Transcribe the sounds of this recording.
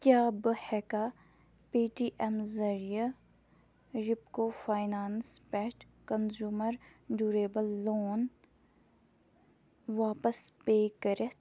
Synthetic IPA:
kjaːbəhɛːkaː | piːʈiːʔɛmzɐɾija | ɾɪpkoːfaːɪnaːnspɛːʈ | kɐnzuːməɾɖuːɾeːbəlːoːn | ʋaːpəspeːkəɾe

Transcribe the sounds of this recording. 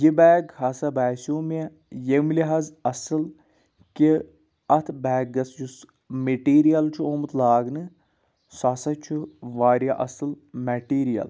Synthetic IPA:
jibɛːɡɦɐsɐbɛːsoːmɐ | jemliɦɐzɐsɨl | ki | ɐt̪ʰbɛːɡɡɐsjus | meʈiːɾijɐlt͡ʃʰuoːmɨt̪laːɡnɨ | sɐsɐt͡ʃʰuʋaːɾijɐʔɐ̰sɨl | mɛʈiːɾijɐ̰l

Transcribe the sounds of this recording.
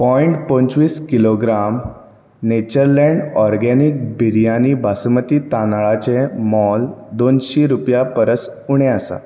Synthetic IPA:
pɔiɳʈpə̃nt͡sʋiːskiloɡɾam | net͡ɕəɾlɛ̃ɳɖɔɾɡɛnik̚bʱiɾijanibʱasmət̪iːt̪anaɭat͡ɕemɔld̪onɕiɾupjapəɾəsuɽ̃ẽasa̰

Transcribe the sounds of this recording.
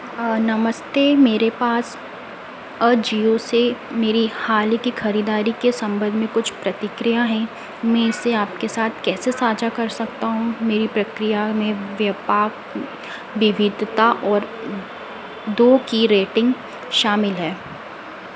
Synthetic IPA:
nɐməst̪eːmeːɾepaːs | ɐd͡ʒiːosemeːɾihaːlikixɐɾiːd̪aːɾikesɐ̃mbə̃nd̪ʱmẽkʊt͡ʃʰpɾɐt̪ɪkɾijaɦɛ̃ | mɛ̃ɪseaːpkesaːt̪ʰkɛːsesaːd͡ʒakɐɾsɐkt̪aɦũmeːɾipɾɐkɾijamẽʋjɐpaːk | ʋɪʋɪd̪ʱt̪aʔɔːɾ | d̪oːkiɾeːʈɪ̃ŋɡ | ʃaːmɪlɦɛː

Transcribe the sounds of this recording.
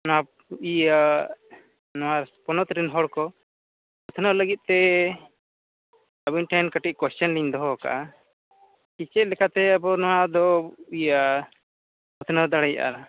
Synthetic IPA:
nɔwa | uja | nɔwaɾspɔnɔt̪ɾinɦɔɽkɔ | ɔt̪ʰnaləɡit̪̚t̪ɛ | əbinʈʰankaʈiʔ̚kwɛst͡ʃɔnliɲd̪ɔɦɔka̰ʔa | kit͡ʃɛt̪̚lɛkat̪ɛabɔnɔwad̪ɔuja | ɔt̪ʰnad̪aɽɛjaʔa̰ɾa

